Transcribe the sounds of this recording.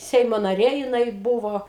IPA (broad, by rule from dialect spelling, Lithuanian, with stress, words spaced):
ˈsʲɛɪmoː nɐˈrʲeː jɪˈnɐɪ ˈbʊʋoː